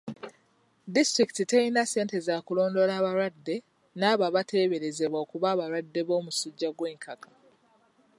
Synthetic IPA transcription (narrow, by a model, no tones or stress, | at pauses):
distɾiki̥titejinase̞ːnte̞zaːkulo̞ːndo̞laːβaɾwadːe̞ | naːβaβate̞ːβe̞ɾe̞ze̞βwaokuβaːβaɾwadːe̞βo̞ːmusuɟːaɡwe̞ːŋkʰakḁ